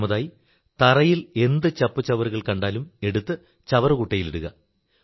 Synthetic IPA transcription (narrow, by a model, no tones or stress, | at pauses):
mɐðaːji | t̪ɐrɐjile̞nd̪ɨt͡ɕɐpːɨt͡ɕɐʋɐruɣɐɭkɐɳɖaːlume̞ɽut̪ːɨ | t͡ɕɐʋɐrɨkuʈːɐjileɽuɣɐ̰